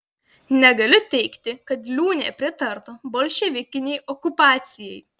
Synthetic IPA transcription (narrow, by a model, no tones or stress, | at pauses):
nʲɛɡɐlʲʊt̪ʲɛɪkt̪ʲɪkɐt̪lʲuːnʲḛːpʲɾʲɪt̪ɐɾt̪oboːlʲʃʲɛʋʲɪkʲɪnʲɛɪʔɔkʊpɑːt̪sʲɪjɛj